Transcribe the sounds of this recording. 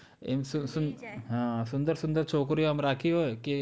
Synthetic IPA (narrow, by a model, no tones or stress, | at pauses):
ḛmsʊsʊnɦãːsʊ̃nd̪əɾsʊ̃nd̪əɾt͡ʃʰoːk̬ɾiəmɾaːkʰiɦoːeki